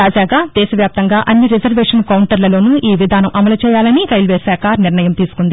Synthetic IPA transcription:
t̪aːd͡ʒaːɡaːd̪ɛːʃɐʋjaːp̚t̪ɐŋɡaːʔɐnːiɾid͡ʒɐɾʋeːʂɐnkɐwɳʈɐɾlɐlo̞ːnuʔiːʋid̪ʱaːnɐmʔɐmɐlɐt͡ʃɛːjaːlɐniɾɐjlʋeːsaːkaːniɾnɐjɐmt̪iːsu̥kund̪i

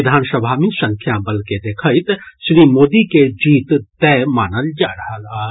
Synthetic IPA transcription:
ɪd̪ʱaːnsəbʱamẽsə̃ŋkʰjabəlked̪eːkʰəɪt̪ʃɾiːmoːd̪iked͡ʒiːt̪t̪ɛːmaːnəld͡ʒaːɾəɦəla

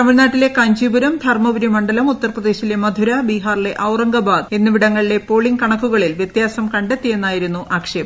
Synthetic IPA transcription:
ɐmilnaːʈːile̞kɐɲd͡ʑibuɾɐmd̪ʱɐrmɐʋiɾimɐɳɖɐlɐmut̪ːɐrprɐd̪e̞ːɕile̞mɐd̪ʱuɾɐbiɦaːrleʔɐwrɐŋɡɐbaːd̪e̞nːɨʋiɽɐŋːɐɭile̞poːɭiŋkɐɳɐkːuɣɐɭilʋjet̪jaːsɐmkɐɳɖet̪ːije̞nːaːjiɾunːuʔaːkʂe

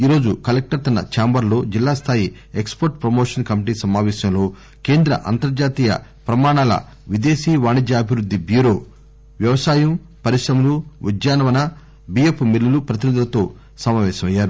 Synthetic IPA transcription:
iːɾo̞ːd͡ʒukɐlek̚ʈɐɾt̪ɐnːɐ̰t͡ʃaːmbɐɾlo̞ːd͡ʒilːaːst̪ʰaːji | ekspoɾʈpɾɐmoːʂɐnkɐmiʈiːsɐmaːʋɛːʃɐmlo̞ː | keːnd̪ɾɐ̰ʔɐ̰nt̪ɐɾd͡ʒaːt̪iːjɐ̰pɾɐmaːɳaːlɐ̰ | ʋid̪e̞ːʃiːʋaːɳid͡ʒ̪jɐːbʱiɾud̪ːibjuːɾo̞ː | ʋjɐʋɐsaːjɐm | pɐɾiʂɾɐmuluʋid͡ʒjaːnɐʋɐnɐ | bijepʰːmilːulupɾɐt̪inid̪ulɐt̪o̞ː | sɐmaːʋɛːʃɐmɐjːaːɾu

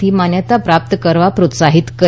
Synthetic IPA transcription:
iːmanjət̪apɾap̚t̪əkəɾʋapɾot̪saɦit̪kə

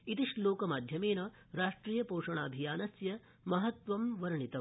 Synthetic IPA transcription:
it̪iʂloːkɐmaːd̪ʱjɐmeːnɐ | ɾaːʂʈɾiːjɐpoːʂɐɳa̰ːbʱijaːnɐsjɐ | mɐɦɐt̪ʋɐmʋɐɾɐɳit̪ɐ

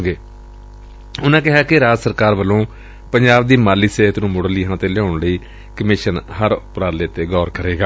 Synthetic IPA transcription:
ɡeː | ʊnãːkɪɦaːkɪɾaːd͡ʒsəɾkaːɾʋəlõː | pəɲd͡ʒaːb̚d̪iːmaːliːseːt̪nũːmʊɽəliːɦãːt̪eːlɛãːʊɳləiː | kəmɪʃənhəɾʊpɾaːleːt̪eːɡɔːɾkəɾeːɡaː

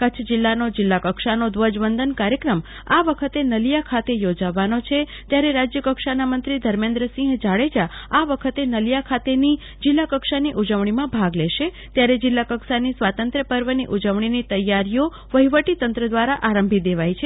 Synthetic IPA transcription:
kət͡ʃʰd͡ʒɪlːanod͡ʒɪlːakəkʃanod̪ʋəd͡ʒʋənd̪ʱənkaɾjəkɾəm | aʋəkʰət̪enəljakʰat̪ejod͡ʒaʋːanot͡ʃʰet̪jaɾeɾad͡ʒjəkəkʃanamənt̪ɾid̪ʱəɾmẽnd̪ɾəsĩɦd͡ʒaɭed͡ʒaaʋəkʰət̪enəlijakʰat̪eni | d͡ʒɪlːakəkʃaniʔud͡ʒəʋɳimãbʱaɡleʃe | t̪jaɾed͡ʒɪlːakəkʃanisʋat̪ənt̪ɾəpəɾʋəniʔud͡ʒəʋɳ̃init̪əjːaɾijo | ʋəiʋəʈit̪ənt̪ɾəd̪ʋaɾaʔaɾəmbʱid̪eʋajt͡ʃʰe

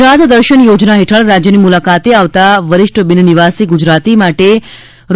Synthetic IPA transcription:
ɾat̪d̪əɾʃənjod͡ʒnaɦeʈʰəɭɾad͡ʒjənimulakat̪eaʋt̪aʋəɾɪʃʈəbɪnəniʋasiɡud͡ʒɾat̪imaʈe | ɾ

